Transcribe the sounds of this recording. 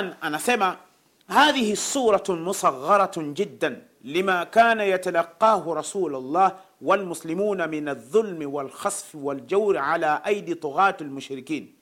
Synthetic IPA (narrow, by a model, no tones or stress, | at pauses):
nʔanasama | haːðɪhisˤuːɾˤɑmʊsˤɑɣːɑɾˤɑd͡ʒɪd̪ːan | lɪmakaːnajat̪alɑqːɑːhɾˤɑsuːlalˤːɑːh | walmʊslɪmuːnamɪnaðˤːʊlmwalxɑsˤfwald͡ʒawɾʕalaːʔajd̪it̪ˤʊɣɑːt̪almʊʃɾɪkiːn